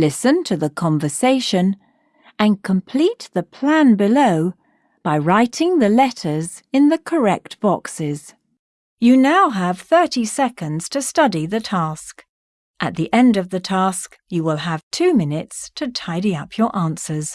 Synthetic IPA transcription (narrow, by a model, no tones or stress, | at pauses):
lɪsɨ̃ntʰɨðəkʰɑ̃ɱvə˞seɪʃɨ̃n | ʔɨ̃nkʰə̃mpʰl̥it̪̚ðɨpʰl̥æ̃nbɨloʊ | b̥aɪɹaɪɾɪ̃ŋðɨlɛɾə˞z | ɨ̃nðɨkʰə˞ɛk̚t̚b̥ɑksɪz̥ | jɨnaʊəv̥θɜ˞ɾisɛkɨ̃ndz̥tʰɨstʌɾiðɨtʰæsk | ʔɨt̪̚ðiʔɛ̃ndʌvðɨtʰæsk | jɨwɪlˠəv̥tʰʉmɪnɨtstʰɨtʰaɪɾiʌpʰjə˞ʔæ̃nsə˞z̥